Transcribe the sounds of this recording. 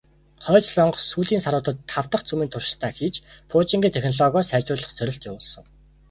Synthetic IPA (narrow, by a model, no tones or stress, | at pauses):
χœːt͡ɕɮɔɴɢsuːɮiːnsaɾʊːt̪ə̆t̪ʰːaw̥t̪ə̆χt͡sumiːnt̪ʰʊrʃ̆t̪ʰæːxiːt͡ɕpʰʊːt͡ɕĭŋɡʲiːt̪ʰexʲnɔɮɔɣɔːsæːt͡ɕʊːɮə̆χt͡sʰœɾʲɪ̆ɬt̪jʊwʊːɮsɞ̆ŋ